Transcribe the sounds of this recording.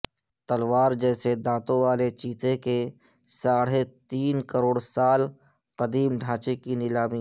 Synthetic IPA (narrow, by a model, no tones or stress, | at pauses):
t̪ɐlʋaːɾd͡ʒɛːsed̪ãːt̪õʋaːlet͡ʃiːt̪ʰeke | saːɽ̤et̪iːnkəɾoːɽsaːl | qɐd̪iːmɖʱãːt͡ʃekinɪlaːmi